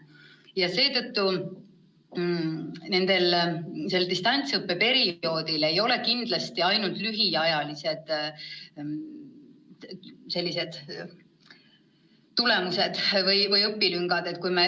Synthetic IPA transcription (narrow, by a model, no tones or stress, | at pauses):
jɑse̞ːt̪ɤ̞t̪ːu | ne̞nd̪̥e̞lse̞lːd̪ist̪ɑnʲt̪sɤpːe̞pe̞ɾio̞ːd̪ile̞jo̞le̞kind̪lɑst̪iɑjnult̪ˑlyɦiɑjɑlise̞d̪̥ | se̞lʲːise̞d̪̥ | t̪ːule̞muse̞d̪̥vɤjvɤjɤpːilyŋɡɑd̪̥e̞t̪̚kujme